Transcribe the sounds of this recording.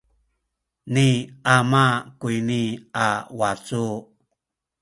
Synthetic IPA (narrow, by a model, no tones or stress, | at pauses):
niamakuiniawat͡su